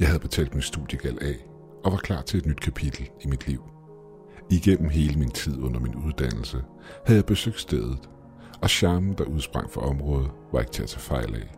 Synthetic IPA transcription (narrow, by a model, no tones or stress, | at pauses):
jɑɪɦæð̞̩ˠb̥e̝t͡sʰɛ̰ːld̥minsd̥ṵðˠjəɡ̥ælɛ̰ː | ɒ̽ʋɑ̈kʰl̥ɑ̰̈ːt͡sʰe̝e̝d̥nyd̥̚kʰæpʰid̥l̩imid̥liʊ̰ | iɡ̥en̰m̩ɦe̝ːləmint͡sʰið̰ˠɔ̽n̰ɐminuð̞ˠd̥æn̰l̩sə | hæð̩ˠjɪb̥e̝søɡ̥d̥sd̥eð̞ˠð̩ˠ | ɒ̽ɕɑ̈ːmn̩d̥ɑ̈ʔuð̞ˠsb̥ʁɑ̈ŋ̰fɑʔɒ̽mʁɔ̽ːð̞̩ˠʋɑ̈e̝ɡ̥ət͡sʰe̝æt͡sʰɛːfɑ̈ɪ̰lɛ̰